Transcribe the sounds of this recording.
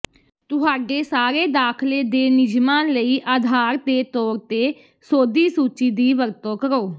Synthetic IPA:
t̪ʊɦaːɖeːsaːɾeːd̪aːkʰleːd̪eːnɪd͡ʒmaːnləiːʔaːd̪ʱaːɾd̪eːt̪ɔːɾt̪eː | soːd̪iːsuːt͡ʃiːd̪iːʋəɾt̪õːkəɾoː

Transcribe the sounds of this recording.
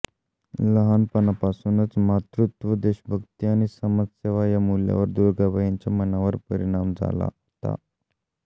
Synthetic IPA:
ləɦanpənapasunət͡smat̪ɾut̪ʋəd̪eɕəbʱəɡt̪iaɽ̃isəmad͡zseʋajamulja̰ʋəɾd̪uɾɡabəɦiɲt͡ɕjamənaʋəɾpəɾiɽ̃amd͡za̰la̰ | t̪a̰

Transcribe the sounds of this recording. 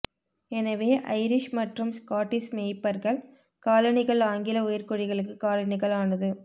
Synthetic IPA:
ɛnɐʋeːʔɐ̰ɪɾɪʂmɐʈrɯmskaːʈːismeːpːɐɾɣɐɭ | kaːlɐnɪɣɐɭaːŋɡɪlɐʊjɐɾkɔɽɪɣɐɭɯkːɯkaːlɐɳɪɣɐɭaːnɐðɯ

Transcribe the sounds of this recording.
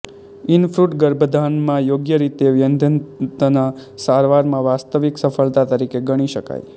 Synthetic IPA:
ɪnfʰɾuʈɡəɾbʱəd̪ʱanmãjoɡjəɾit̪eʋjənd̪ʱənt̪ənasaɾʋaɾmãʋast̪əʋiksəfəɭt̪at̪əɾikeɡəɽ̃iʃəka̰j

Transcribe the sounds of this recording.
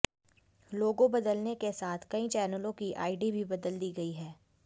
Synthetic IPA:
loːɡõbɐd̪əlnekesaːt̪ʰkɐĩt͡ʃɛːnəlõkiʔa̰ːɪɖibʱibɐd̪əld̪iːɡɐiɦɛː

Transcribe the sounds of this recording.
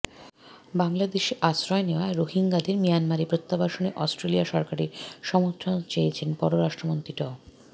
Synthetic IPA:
baŋlad̪eʃeʔasɾɔeneoaɾoɦiŋɡad̪eɾmijanmaɾipɾot̪ːabaʃoneʔɔsʈɾeliaʃɔɾkaɾiɾʃɔmot̪ʰːɾont͡ɕejt͡ɕʰenpɔɾoɾaʃʈɾomont̪ɾiʈɔ

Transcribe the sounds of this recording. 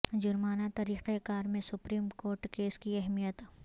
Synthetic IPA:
d͡ʒʊɾmaːnat̪ɐɾiːqekaːɾmẽsʊpɾiːmkoːɾʈkeːskiɛɦmijət̪

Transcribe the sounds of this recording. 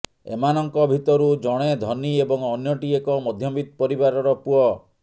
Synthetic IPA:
ḛmanɔŋkɔbʱit̪ɔɾud͡ʒɔɽ̃ed̪ʱɔniebɔŋɔnjɔʈiekɔmɔd̪ʱjɔbit̪̚pɔɾibaɾɔɾɔpuɔ

